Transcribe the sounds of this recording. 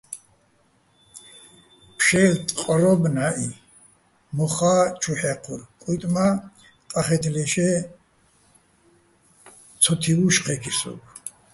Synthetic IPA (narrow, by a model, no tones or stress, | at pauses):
pʰʃɛlt̪ʼqʼɾɔbnaʔi | mɔχat͡ʃʰuħɛqʰuɾkʼut̪ʼma | q̪ʼaχɛt̪ʰlɛʃɛ | t͡sʰɔt̪ʰiuʃqʰɛkʰisɔ̰b